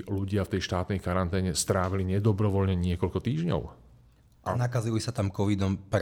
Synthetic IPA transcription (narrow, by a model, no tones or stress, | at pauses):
luɟɪaft̪ɛjʃt̪aːt̪nɛjkaɾant̪ɛːɲɛst̪ɾaːʋiliɲɛd̪ɔbɾɔʋɔlɲɛɲɪɛkɔlkɔt̪iːʒɲɔ̰ʊ | ʔanakazilisat̪amkɔʋid̪ɔmpɾ